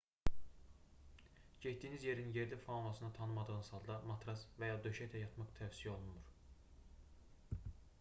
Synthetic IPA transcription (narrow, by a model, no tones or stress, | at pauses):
ɟet̪̚d̪iːnizje̞ɾinje̞ɾlifɑlˠɑsɯnɑt̪ʰɑnɯmɑd̪ɯɣɯnsɑlˠd̪ɑmɑt̪ʰɾɑsvæjɑːd̪øʃæt̪ʰæjɑt̪ʰmɑχt̪ʰævsijɛo̞lˠunmuɾ